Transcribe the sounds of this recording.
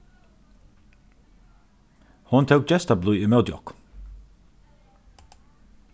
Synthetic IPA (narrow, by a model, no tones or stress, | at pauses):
hʊnt̪ʰəʊk̚d͡ʒɛst̪ɑbluːimɛld̪jɔ̰k